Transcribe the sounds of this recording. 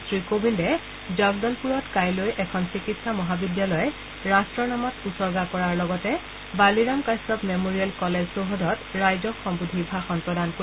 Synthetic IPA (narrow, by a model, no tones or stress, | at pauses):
sɹikobʱindɛ | zɔɡdɔlpuɹɔtkajlojʔɛkʰɔnsikitsamɔɦabidjalɔjɛ | ɹastɹɔnamɔtusɔɹɡakɔɹaɹlɔɡɔtɛ | baliɹamkajsɔpmemoɹiɛlkɔlezsoɦodʱɔtɹajzɔkxɔmbudʱibʱaxɔmpɹɔdanko